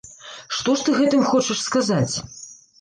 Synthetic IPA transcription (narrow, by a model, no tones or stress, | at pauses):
ʂt̪ɔʂt̪ɨɣɛt̪ɨmxɔt͡ʂɐʂskazat͡sʲ